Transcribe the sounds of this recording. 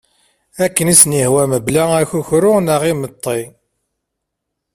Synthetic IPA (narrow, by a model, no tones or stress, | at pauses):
ækːənisnihwæməblææçuçɾʊnəʁimət̪ˤːi